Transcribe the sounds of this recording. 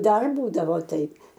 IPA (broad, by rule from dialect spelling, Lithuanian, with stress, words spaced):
ˈdɐr ˈbuːdɐʋoː ˈtɐɪp